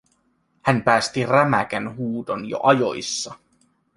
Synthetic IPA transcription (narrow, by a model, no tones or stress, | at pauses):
hænpæːst̪iræmækænɦuːd̪onjo̰ʔɑjo̰isːɑ